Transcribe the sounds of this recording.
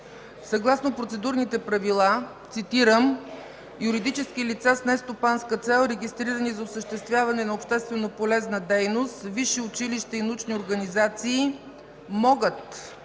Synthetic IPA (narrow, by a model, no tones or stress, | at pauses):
sɐɡlˠasnopɾot̪sɛd̪uɾnit̪ɛpɾɐvilˠat̪sit̪iɾəm | jʊɾid̪it͡ʃɛskilit̪sasnɛst̪opanskət̪sɛlˠɾɛɡʲist̪ɾiɾənizɐʊsəʃt̪ɛst̪vʲjavɐnɛnɐopʃt̪ɛst̪vɛnopolɛznəd̪ɛjnost̪viʃiʊt͡ʃiliʃt̪əinut͡ʃnioɾɡənizat̪siː | mɔɡət̪